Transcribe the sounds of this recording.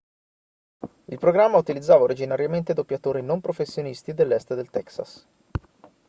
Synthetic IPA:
ilpɾoɡɾamːaut̪ilid̪zːaːvaoɾid͡ʒinaɾjament̪ed̪opːjat̪oːɾinompɾofesːjonist̪id̪elːɛst̪d̪elt̪ɛksa̰s

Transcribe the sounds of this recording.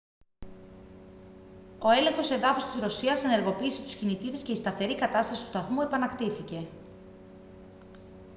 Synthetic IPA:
o̞e̞le̞ŋxo̞se̞ðɐfost̪izɾo̞siɐsene̞ɾɣo̞piːse̞t̪u̥scinit̪iɾe̞sceist̪ɐθe̞ɾikɐt̪ɐst̪ɐsi̥t̪ust̪ɐθmue̞pɐnɐkt̪iθice̞

